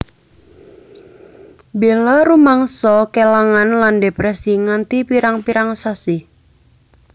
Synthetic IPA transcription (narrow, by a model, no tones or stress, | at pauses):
belaɾumaŋsɔkelaŋanlandepɾɛsiŋant̪ipiɾaŋpiɾaŋsasi